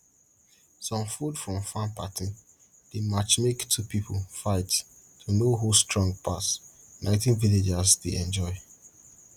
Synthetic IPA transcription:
sɔ̃mfudfɹɔ̃mfãnpatʰin | d̥emat͡ʃmektʰupipʰolfaɪt | tʰunoɦustɹɔ̃ŋɡpʰas | nãɪ̃tĩnviled͡ʒazdeɛ̃nd͡ʒɔɪ

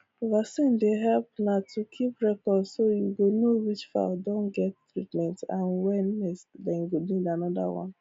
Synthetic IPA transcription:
ovasin̩dɪɦɛlp̚natukʰipɾɛkɔdsojuɡonowit͡ʃfa̰ldõnɡɛttɾitmɛ̃ntã̰nwɛnɪsdɛŋ̩ɡodnidanɔda̰wɔ̰̃n

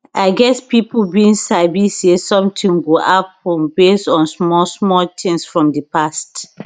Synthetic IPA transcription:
aɪɡɛspipʰbiĩnsabisesɔ̃mtʰĩnɡoʔatɔ̃mbesɔ̃nsmɔsmɔltʰĩŋsfɹɔ̃mdəpast

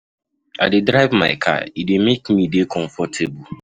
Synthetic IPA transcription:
aɪdedɾaɪvma̰ɪkʰa̰idemekmidekʰɔ̃ɱfɔtʰebʊ

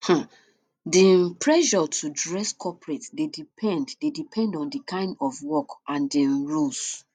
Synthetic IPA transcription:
hã | dipɹɛʒɔtʰudɹɛskʰɔpɹetdedipʰɛ̃nddedipʰɛ̃ndɔ̃ndikʰãɪ̃ndɔvwɔkãndɛ̃nɹus

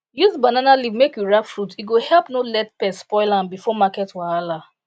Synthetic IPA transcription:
juzbananalivmekjuɹakfɾutiɡohɛlpnolɛt̚pɛsspɔɪlãmbifɔmakɛtwaala

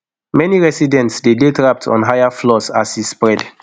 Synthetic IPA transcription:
mɛniɹɛsidɛ̃ntsdedetɹap̚tʰɔ̰̃nɦajaflɔsa̰sispɹɛd

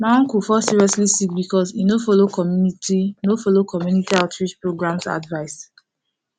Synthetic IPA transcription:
mãŋkufɔsiɹiɔslisik̚bikɔsinofolokɔmjunitinofolokɔmjunitiaʊtʰɹid͡ʒpɹoɡɹãmsa̰dvaɪs

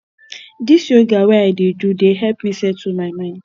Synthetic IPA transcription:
disjoɡaweaɪdedudeɦɛpmisɛtʰumaɪmãɪ̃nd̥

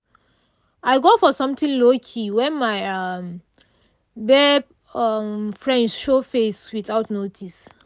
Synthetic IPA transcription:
aɪɡofɔsɔ̃mtĩŋlokʰiwɛ̃nmaɪʌm | bɛ | ʌmfɹɛ̃ndsʃofeswiθaʊtnotʰis

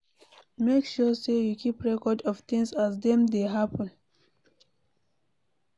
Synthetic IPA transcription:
mekʃusejukʰipɹɛkɔdɔv̥θĩŋsazdɛ̃mdeɦapə̃n

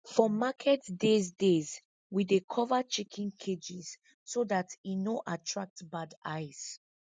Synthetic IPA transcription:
fɔmakʰɛtdezdez | widekʰɔvat͡ʃikʰĩnkʰed͡ʒiz̥ | soðatinoʔatʰɹak̚tbadaɪz

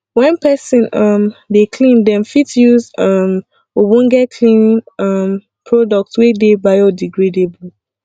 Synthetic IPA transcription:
wɛ̃npɛsɔ̃nʌmdekʰlĩndɛ̃mfitjuzʌm | wowɔ̃nɡɛt̚kʰlĩnĩnʌm | pʰɹɔdɔk̚tswedebajɔdiɡɹedebu

